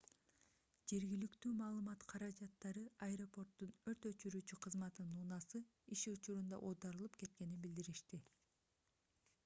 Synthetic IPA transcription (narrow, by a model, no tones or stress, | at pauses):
d͡ʒe̞ɾɡilykt̪yːmɑːlˠɯmɑt̪qʰɑɾɑd͡ʒɑt̪ːɑɾɯɐjɾo̞po̞rt̪ːunø̞ɾt̪ø̞t͡ʃyɾyːt͡ʃyqʰɯzmɑt̪ɯnːuːnɑsɯ | iʃiut͡ʃuɾund̪ɑ̰ʔod̪ɑɾɯlˠɯpke̞t̪ke̞ninbild̪iɾiʃt̪i